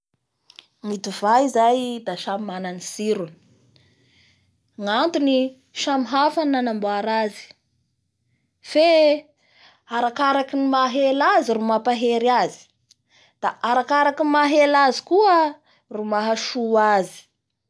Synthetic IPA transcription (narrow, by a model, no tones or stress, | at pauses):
ŋit̪uvaizajd̪aʃamimananisiɾuni̥ | ŋant̪uni | ʃamiɦafananamboaɾazi̥ | fe | aɾakaɾakinimaɦelaziɾumapaɦeɾiazi̥ | d̪̥aʔaɾakaɾakimaɦelazi̥kuə | rumaɦaʃuazi̥